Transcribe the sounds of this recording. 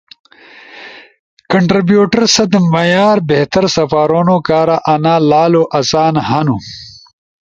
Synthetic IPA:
kɐɳʈɾibjuːʈɐɾsɐd̪mɐjaːɾbeht̪ɐɾsɐfaːɾonokaːɾaʔɐnaːlaːloʔɐsaːnhɐnu

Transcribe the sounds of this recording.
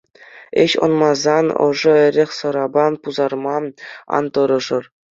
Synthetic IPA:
eɘɕɤ̰̆nmɑzɑnɤ̰ʐɤ̆ɘ̆ɾʲeχʲsɤ̆ɾɑbɑnpuzɑrmɑɑ̰nt̪ɤ̆ɾɤ̆ʐɤ̆r

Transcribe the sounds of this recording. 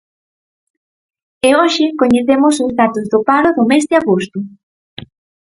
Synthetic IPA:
ɪoʃɪkoɲeθemʊsʊzðat̪ʊzðʊpaɾʊðʊmɛzðɪaɣost̪ʊ

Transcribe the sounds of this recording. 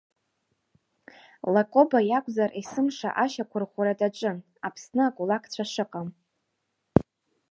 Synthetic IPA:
lakʷʼo̞bajakʷʼzarʔisɨmʂa̰ʔaʃakʷʰʊrχʷuɾadat͡ʃʷʼɨn | apʰsnɨakʼulakʰʼt͡ɕʷʰaʂɨqʼam

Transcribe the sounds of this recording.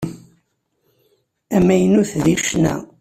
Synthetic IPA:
æmːæjənuθðiʃnæ̰

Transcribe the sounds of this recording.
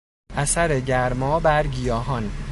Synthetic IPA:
ʔæsæɾeɟæɾmɒːbæɾɟijɒːɦɒn

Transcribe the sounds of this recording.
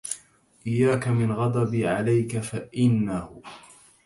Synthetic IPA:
ʔɪjːaːkamɪnɣɑd̪ˤɑbiːʕalajkafaʔɪnːahʊ

